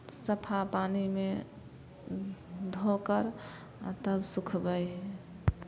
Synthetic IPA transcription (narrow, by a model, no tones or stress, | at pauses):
səpʰapanime | d̪ʱokəɾ | at̪əbsukʰbəjɦɛ